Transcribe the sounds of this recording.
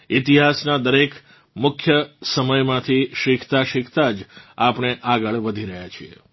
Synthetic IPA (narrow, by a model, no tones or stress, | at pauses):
it̪iɦasnad̪əɾek | mʊkʰjəsəməjmãt̪ʰiʃɪkʰt̪aʃɪkʰt̪ad͡ʒapɳ̃eʔaɡəɭʋəd̪ʱiɾəɦjat͡ʃʰiḛ